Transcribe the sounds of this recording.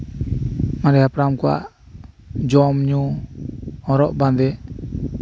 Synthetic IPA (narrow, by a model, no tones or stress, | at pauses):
mãɾɛhapɾamkɔwa̰ʔ | d͡ʒɔmɲu | ɔ̃ɾɔʔbãnd̪ɛ